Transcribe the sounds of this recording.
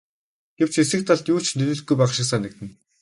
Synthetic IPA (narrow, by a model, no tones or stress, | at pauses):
ɡ̥ew̥t͡ɕesɘ̆kt̪ʰaɮt̪juːt͡ɕnɵɮɘ̆ɮt̪ɡujpæːʃɪ̆ksaːnĕk̚t̪ɘ̆n